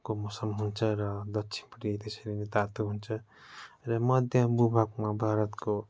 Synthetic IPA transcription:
komosʌmɦunt͡sʰʌɾʌd̪ʌksʰi̥npʌʈit̪eseɾinet̪at̪uɦunt͡sʰʌ | ɾʌmʌd̪ʱjʌbubʱak̚mabʱaɾʌt̪ko

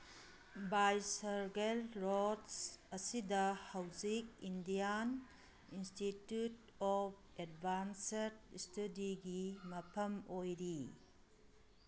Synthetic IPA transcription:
bajsɐɾɡelɾodsɐsidɐhawzik̚indijan | institjut | ɔp̚ʰ | edbʱanset̚studiɡimɐpʰɐmojɾi

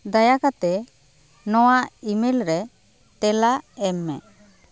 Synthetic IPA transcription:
d̪ajakat̪ɛ | nɔwaʔimelɾɛ | t̪ɛlaʔɛmːɛ

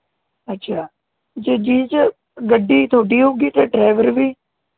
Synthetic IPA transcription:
ətːʃʰaː | d͡ʒəd͡ʒiːt͡ʃə | ɡəɖːiːt̪ʰoːɖiːɦoːɡiːt̪eɖɾeːʋəɾʋiː

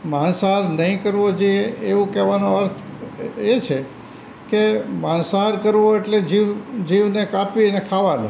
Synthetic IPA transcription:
mansaɦaɾnəɦĩkəɾʋod͡ʒeeʋũkɛʋanoəɾt̪ʰet͡ʃʰe | kemãnsaɦaɾkəɾʋoeʈled͡ʒiʋd͡ʒiʋnekapiənekʰaʋanõ̰

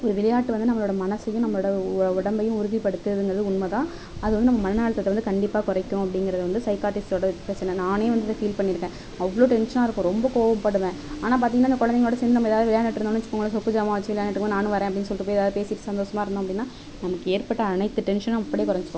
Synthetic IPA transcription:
ɔɾɯʋɪlɐjaːʈːɯʋɐnd̪ɯnɐmːɐɭoːɽɐmɐnɐsɐjʊ̃nɐmːɐɭoːɽɐʊɽɐmbɐjʊ̃ʊɾʊðipɐɽɯt̪ːɯðɯŋɡɐɾɐðɯʊɳmɐt̪ãː | ɐðɯʋɐnd̪ɨnɐmːɐmɐnɐnaːɭɐt̪ːɐt̪ːɛʋɐnd̪ɯkɐɳɖɪpːaːkɔɾɐɪkːʊ̃ɐpːɐɽɪŋɡɪɾɐðɯʋɐnd̪ɯsɐɪkaːʈɪsoːɽɐpɾɐt͡ʃːɐnɐnaːneːʋɐnd̪ɯðɐfiːlpɐɳːɪɾɯkːẽ | ɐʋːɭoːʈɛnʂɐnaːɪɾɯkːʊ̃ɾɔmbɐkoːʋɐmpɐɽɯʋẽːaːnaːp̬aːɾt̪iːŋɡɐnːaːɪnɐkɔɻɐnɛŋɐɭoːɽɐsɛnd̪ɯnɐmɐɛːðaːʋðɯʋɪɭjaːnɐʈːɪɾɯnõːnːɐɲt͡ʃːɯkːoːɡɐɭsɔkːɯd͡ʒaːmaːʋɐt͡ʃːɯʋɪɭɐjaːnɐʈːɯkːnãːnɯ̃ʋɐɾẽːɐpːɐɽɪnːɯs̬ɔlːɪrːɯpoːjɛðaːðɯpeːsɪʈːɯ̥sɐnd̪oːsɐmaːɪɾɯnd̪õɐpɐɽɪinːaː | nɐmɐkːɯeːɾpɐʈːɐɐnɐɪt̪ːɯʈɛnʂɐnɐmɐpːɐɽeːkɔɾɐɲd͡ʒɯkːõ

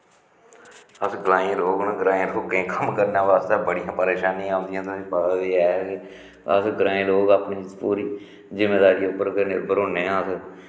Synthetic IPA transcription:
əsɡɾaːẽɾoːɡnːɡɾaːẽːɾoːkẽːkəmkəɾnãːʋaːst̪aːbəɽɪjãːpəɾeːʃaːnĩːaːd̪ɪjãːt̪ʰʊsĩːpəd̪iːɛːkː | ə̰sɡəɾaːẽːɾoːɡapnĩːpuːɾiː | zɪmeːd̪aːɾiːʊpːəɾkəɾneːbəɾoːnẽːãːəs

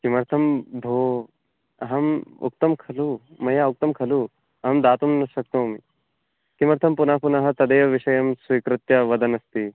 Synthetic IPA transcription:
kimɐɾt̪ʰɐmbʱoː | ɐɦɐmṵk̚t̪ɐmkʰɐlumɐjaːuk̚t̪ɐmkʰɐlu | ɐɦɐmd̪aːt̪umnɐʃɐk̚t̪oːmi | kimɐɾt̪ʰɐmpunaɦpunɐɦɐ̆t̪ɐd̪ɐjɐʋiʂɐjɐmsʋikɾɪt̪jɐʋɐd̪ɐnɐst̪i

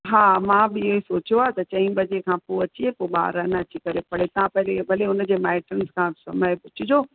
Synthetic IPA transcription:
ɦaːmãbɪɪɦesoːt͡ɕijoaːɦt̪ɐt͡ɕɐ̃ĩbɐd͡ʑekʰãːpoɐt͡ɕiepoɓa̰ːɾənɐɐt͡ɕikɐɾepɐɽet̪ãpɐɦɪlebʱɐleʊnə̆d͡ʑeːmaːɪʈənskʰãːsɐməɪpʊt͡ɕʰɪd͡ʑoː

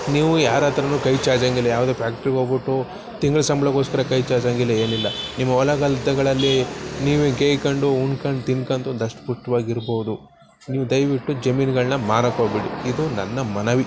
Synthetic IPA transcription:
niːʋujaːɾɐːt̪ɐɾɐnuːkɐjt͡ʃaːd͡ʒaːŋɡilːɐjaːʋɐd̪eːpʰjaːk̚ʈɐɾiɡoːbiʈːu | t̪iŋɡɐɭɐsɐmbɐɭɐkoːskɐɾɐkɐjt͡ʃaːd͡ʒaːŋɡilːɐeːnilːɐnimːɐɔlɐɡɐlid̪ːɐɡɐɭɐlːiniːʋeɡeːjkɐɳɖuuɳkɐɳɖt̪inkɐnt̪und̪ɐʂʈpuʂʈɐʋaːɡiɾboːʋud̪u | niːʋud̪ɐjʋiʈːud͡ʒɐmiːnɡɐɭnɐmaːɾɐkobiɽiid̪unɐnːɐmɐnɐʋi

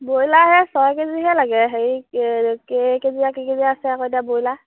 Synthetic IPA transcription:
bojlaɦɛsɔjkeziɦɛlaɡɛɦeikekeziakekeziasɛakɔjdiabojla

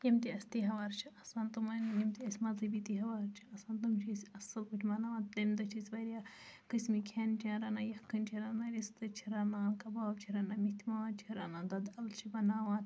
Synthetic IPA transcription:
jimt̪iɐsʲt̪iɦɐʋaɾt͡ʃʰiɐsaːnt̪umɐnjimt̪iɐsʲmɐzɐbit̪iɦɐʋaɾt͡ʃʰiɐsaːnt̪umt͡ʃʰisʲɐsɐlkuʈʲʰmɐnaːʋãːt̪d̪ɐmd̪ɐt͡ʃʰisʲʋɐɾijakɨsmikʰeːnt͡ʃʰãːɾɐnaːjɐkːɐnt͡ʃʰiɾɐnaːɾʲist̪ɨt͡ʃʰiɾɐnaːnkɐbaːbt͡ʃʰiɾɐnamit̪ʰimat͡ʃʰiɾɐnad̪ɐd̪ɐlt͡ʃʰibɐnaːʋãːt̪

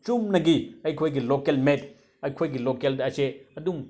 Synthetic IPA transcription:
t͡ʃumnɐɡiɐjkʰojɡilokelmet | ɐjkʰojɡilokeldɐɐseɐduŋ

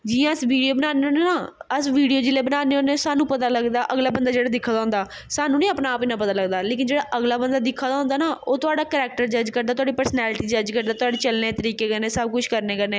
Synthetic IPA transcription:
d͡ʒɪjãːəsʋiːɖioːbənaːneoːneːnaːəsʋiːɽijoːd͡ʒɪleːbənaːneːoːneːsaːnũːpət̪aːləɡd̪aːʔəɡlaːbənd̪aːd͡ʒeːɽaːd̪ɪkʰːaːd̪aɦʊ̃nd̪aː | saːnũːnĩːəpnaːpɪnãːpət̪aːləɡd̪aːleːkɪnd͡ʒeːɽaːʔəɡlaːbənd̪aːd̪ɪkʰːaːd̪aːɦʊ̃nd̪aːnaːʔoːt̪ʊaːɖaːkəɾɛːk̚ʈəɾd͡ʒəd͡ʒkəɾd̪aːt̪ʊaːɖiːpəɾsnɛːlɪʈiːd͡ʒəd͡ʒkəɾd̪aːt̪ʊaːɖeːt͡ʃəlneːt̪əɾiːkeːkəneːsəb̚kʊt͡ʃʰkəɾneːkəɾneː

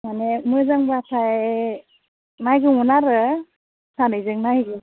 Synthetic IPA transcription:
manemɯzaŋbatʰaj | najɡɯŋunaɾɯ | sʰanɯjzɯŋnajɡɯ

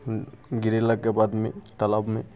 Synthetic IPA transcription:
ɡɪɾeləkkːebaːd̪mẽt̪ɐlabmẽ

